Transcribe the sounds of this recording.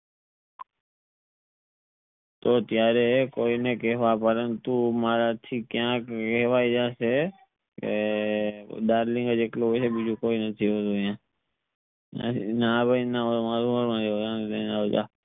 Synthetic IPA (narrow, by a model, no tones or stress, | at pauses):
t̪oːt̪jaːɾekoːineːkeːʋaːpəɾənt̪umaːɾaːt̪ʰiːkjãːkkeːʋaːid͡ʒaːseː | ke | ɗaːɾlɪ̃ŋɡəd͡ʒeːkloɦoseːɓiːd͡ʒuːkoːiːnət̪ʰiːɦoːd̪oːjãː | a̰naːbəinaoomaːɾuməɾmãːd͡ʒeoãːd̪enaoːd͡ʒa̰ː